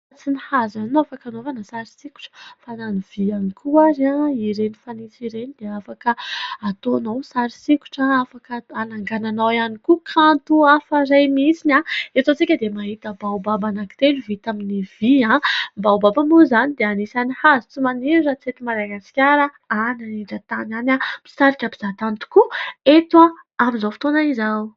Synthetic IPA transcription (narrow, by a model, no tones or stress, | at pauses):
t͡sinihazaninoafakanovanəsaɾisiku̥ʈ͡ʂə̥fananiv̥ianikʰuaɾãiɾenifanisiɾenid̪eafakəat̪onawsaɾisiku̥ʈ͡ʂaafakəanaŋɡananawanikukʰãnt̪uafarajmisinaet̪ot͡sikʲəd̪emaɦit̪əbawbabanaki̥t̪enuvit̪aminiv̥iãbawbabamuzanid̪eanisanihazut͡sumaniɾiɾat͡set̪umaɾaɡaskʲaɾə | ananiɖ͡ʐat̪ananami̥saɾikʲapi̥z̥at̪ant̪u̥kuet̪wa | amizafi̥t̪onaizaw